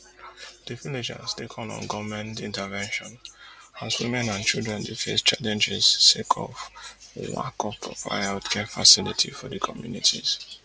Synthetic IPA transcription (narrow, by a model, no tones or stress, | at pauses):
d̥ɨvilid͡ʒə̰stekʰɔ̃nɔ̰̃nɡɔvmɛ̃ntĩntəvɛ̃nʃɔ̃nazwimɛ̃nãnt͡ʃildɹɛ̃ndefest͡ʃalɛ̃nd͡ʒɛzsekʰɔ̰vwa̰kʰɔpʰɹɔpa̰ɪatkʰɛfasilitʰifɔdəkʰɔmjunitʰḭz̥